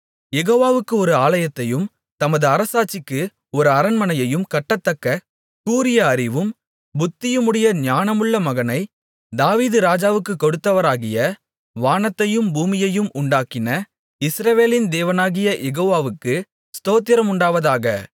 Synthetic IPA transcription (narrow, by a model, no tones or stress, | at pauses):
jɛɣoːʋaːʋɯkːɯɔɾɯaːlɐjɐt̪ːɐjɯm | t̪ɐmɐðɯɐɾɐsaːt͡ʃːɪkːɯ | ɔɾɯɐɾɐnmɐnɐjɐjɯmkɐʈːɐt̪ːɐkːɐ | kuːɾɪjɐːɾɪʋɯm | bʊt̪ːɪjɯmɯɽɐjɐnjaːnɐmɯɭːɐmɐɣɐnɐɪ | d̪aːʋiːðɯɾaːd͡ʒaːʋɯkːɯkːɔɽɯt̪ːɐʋɐɾaːɣɪjɐ | ʋaːnɐt̪ːɐjɯmbuːmɪjɐjɯmʊɳɖaːkɪnɐ | ɪsɾɐʋeːlɪnd̪eːʋɐnaːɣɪjɐʔɛɣoːʋaːʋɯkːɯ | st̪oːt̪ːjɪɾɐmʊɳɖaːʋɐðaːɣɐ̰